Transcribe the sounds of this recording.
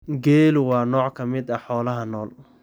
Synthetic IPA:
ɡɛːlʊwɑːnɔːʕkʰɐmɪd̪ɐħɔːlɐɦɐnɔːl

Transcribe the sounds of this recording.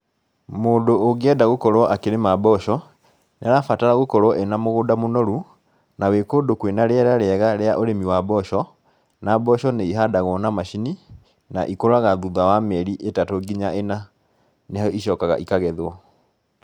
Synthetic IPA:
moːndoːɣɛdaɣokɔɾwɔʔakeɾemabɔʃɔ | neaɾafataɾaɣokɔɾwɔʔenamoɣoːdamonɔɾu | nawekoːdokwenaɾeɛɾaɾeɛɣaɾeaʔoɾemiwabɔʃɔ | nabɔɕɔneiɦadaɣɔnamaʃini | na̰ʔikoɾaɣaðuðawamɛɾiʔetatoɡiɲaʔena | nehaiɕɔːkaɣa̰ʔikaɣɛðɔ

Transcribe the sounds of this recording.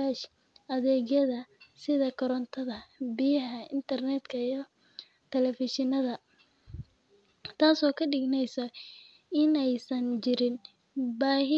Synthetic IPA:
aʃ | ʔɐðɛːɣjɐðɐsɪðɐkʰɔɾɔnt̪ʰɐðɐbɪjɐɦɐɪ̰nt̪ʰɐrnɛd̪kʰɐijɞ | t̪ʰɛlɛfɪʃɪnɐðɐ | t̪ʰaːsɔːkʰɐɖɪɡnɛjsɐ | ɪnɛjsɐnt͡ʃɪɾɪn | baːhɪ

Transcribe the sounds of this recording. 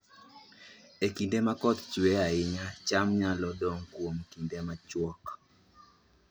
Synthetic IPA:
ekindɛmakɔt̪t͡ʃuɛaɪɲat͡ʃamɲalɔɗɔŋkuom̩kindɛmat͡ʃwɔk

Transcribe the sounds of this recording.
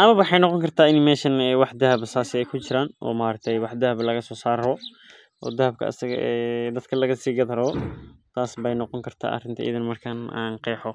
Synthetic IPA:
ʔɐmɐβwʊħɑjnɔqɔŋkʰɐrt̪ʰaːɪnmɛːʃɐnɛːwɑħd̪ɐɦɐbsaːsɪɛjkʰʊt͡ʃɪɾaːnʔɔ̰ːmaːɾɐk̚t̪ʰɛjwɑħd̪ɐɦɐblɐɣɐsɔːsaːɾɔ | ʔɔ̰ːd̪ɐhɐb̚kʰɐ̰ɐ̰sɐɣɐ̰ʔɛːd̪ɐd̪kʰɐlɐɣɐsiːɡɐd̪ɐɾɐɔt̪ʰaːsbɛjnɔqɔŋkʰɐrt̪ʰa̰ːʔɐ̰rɪnt̪ʰɐʔḭðɪnmɐrkʰɐna̰ːnqɛːħɔ

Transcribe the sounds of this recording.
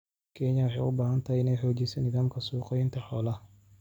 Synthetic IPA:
kʰɛɲɐwɑħɑjʊbaːɦɐnt̪ʰɐhiɪnɛjħɔːt͡ʃɛjsɛnːɪðaːmkʰɐsuːqɛjɪnt̪ʰɐħɔːlɐ

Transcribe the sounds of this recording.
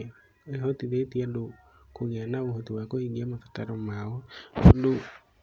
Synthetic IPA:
eɦɔtiðetiado | koɣɛnaohotiwakoiɡiamafḁtaɾɔmaɔfondo

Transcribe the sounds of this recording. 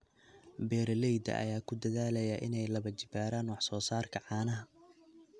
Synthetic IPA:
bɛːɾɐlɛjd̪ɐ̰ʔɐ̰jaːkʰʊd̪ɐðaːlɐjɐʔɪnɛjlɐβɐt͡ʃɪbaːɾaːnwɑħsɔːsaːrkʰɐʕɑːnɐɦɐ

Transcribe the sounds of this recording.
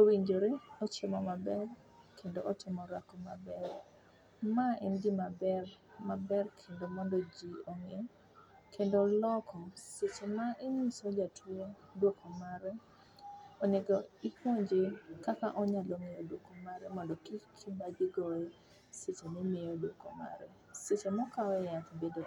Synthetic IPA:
owiɲd͡ʒoɾeɔt͡ʃemɔmabɛr | kʰendoʔɔtɪmɔɾakɔmabɛr | maɪndimabɛr | mabɛrkʰendomɔndɔd͡ʒioŋeɔ | kʰendolɔkʰɔsɪt͡ʃemaʔɪɲisod͡ʒatʰwodwokomaɾɛ | oneɡɔikwoɲd͡ʒekakaʔɔɲaloŋejodwokomaɾɛmɔndɔkikʰimad͡ʒiɡɔj | sit͡ʃenimejodwokoma̰ɾɛ | sɪt͡ʃemɔkaɛjat̪bedo

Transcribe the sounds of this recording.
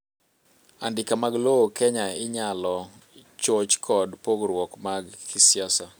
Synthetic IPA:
a̰ndɪkamaɡlookɛɲaɪɲalɔ | t͡ʃot͡ʃkʰɔdpoɡɾwɔkmaɡkʰɪsjasa

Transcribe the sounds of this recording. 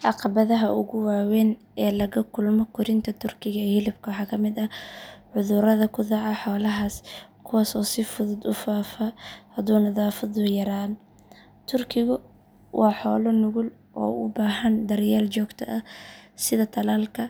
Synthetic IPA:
ʔɑqɑβɐðɐɦɐʔʊɣʊwaːwɛːn | ɛːlɐɣɐkʰʊlmɔkʰʊɾɪnt̪ʰɐt̪ʰʊrkʰɪɣɐɛhɪlɪbkʰɐwħɑːkʰɐmɪd̪ɐʕʊðʊɾɐðɐkʰʊðɑʕɑħɔːlɐɦaːskʰʊwaːsɔːsɪfʊðʊd̪ʊfaːfaːhɐd̪uːnɐðaːfɐðʊjɐɾaːn | t̪ʰʊrkʰɪɣʊ | wʔɑːħɔːlɔnʊɣʊl | ʔɔ̰ːʊbaːɦɐnd̪ɐrjaːlt͡ʃɔːɡt̪ʰɐʔɐsɪðɐt̪ʰɐlaːlkʰɐ

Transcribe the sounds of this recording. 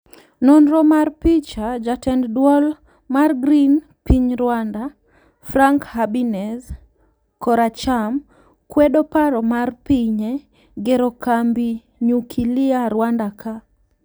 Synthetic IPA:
nɔnɾɔmarpit͡ʃad͡ʒatɛnddwɔl | marɡɾin | piɲɾwanda | fɾaŋkhabinɛz | kɔɾat͡ʃam | kwɛdɔpaɾɔmarpiɲe | ɡɛɾɔkambi | ɲukʰilɪaɾwandakʰa

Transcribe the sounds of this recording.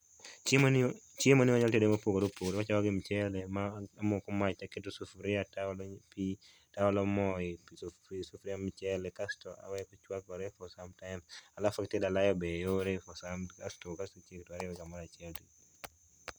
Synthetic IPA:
t͡ʃemɔnɪwaɲɔltedemapokoɾopokoɾowat͡ʃawaɡɪmt͡ʃɛlɛmaamokɔmat͡ʃaketosufɾɪatalpi | taɔlɔmɔɪpssufɾiamt͡ʃɛlɛkastɔʔa̰wɛkɔt͡ʃwakɔɾɛfɔsamtaɪmsalafaktedalajɔbɛjoɾefɔsamkastɔkasot͡ʃektɔaɾɪɔwɡamaɾat͡ʃjɛldi

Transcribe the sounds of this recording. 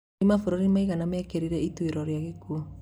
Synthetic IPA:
imafoɾoɾimaiɣanamɛːkeɾiɾɛitweɾɔɾjaɣekuɔ

